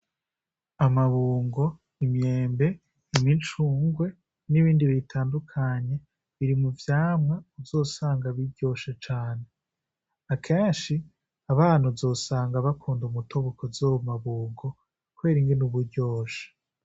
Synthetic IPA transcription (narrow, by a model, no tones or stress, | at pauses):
amaβuːŋɡo̞ | imje̞ːmbe̞ | imit͡ʃuːŋɡwe̞ | niβiːndiβitʰaːndukʰaɲe̞ | βiɾimuvjaːmweuzo̞ːsaːŋɡaβiɾɟ̥o̞ːʃet͡ʃaːne̞ | akʰeːnʃi | aβaːn̥huzo̞ːsaːŋɡaβakʰuːndumutʰoβukozoβomaβuːŋɡo̞ | kuwe̞ːɾiŋɡenuβuɟo̞ːʃḁ